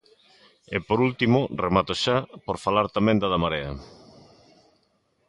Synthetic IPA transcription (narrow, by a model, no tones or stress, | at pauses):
epoɾult̪imʊremat̪oʃapoɾfalaɾt̪amẽnd̪ɐðamaɾeɐ̰